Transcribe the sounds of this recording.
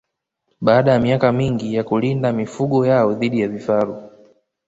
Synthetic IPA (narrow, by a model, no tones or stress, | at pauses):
ɓaːɗajamiakamiŋɡijakulindamifuɠɔjaɔðiɗijavifaɾu